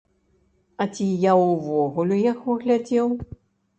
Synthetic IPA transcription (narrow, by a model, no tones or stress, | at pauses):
ɐt͡sʲijauvɔɣulʲujakvɨɣlʲad͡zʲɛw